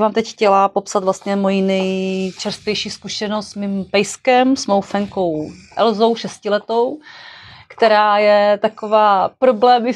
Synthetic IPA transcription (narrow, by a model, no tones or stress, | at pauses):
vaːmt̪ɛcxcɛlapo̞psat̪vlast̪ɲɛmo̞jinɛjt͡ʃɛɾst̪vʲjɛjʃiːskuʃɛnost̪smimpɛjskɛmsmowfɛŋko̞wʔɛlzowʃɛscɪlɛt̪o̞w | kt̪ɛɾaːjɛt̪akovaːpɾoblɛːmɪ